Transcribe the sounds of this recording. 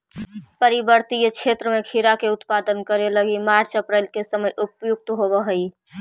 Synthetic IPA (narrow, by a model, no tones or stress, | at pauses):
pəɾibəɾt̪ijəkʃʰeːt̪ɾəmẽkʰiɾakeʊt̪paːd̪ənkəɾeləɡimaːɾt͡ʃəpɾeɪlkesəməjʔʊpjʊk̚t̪ɦobəɦəi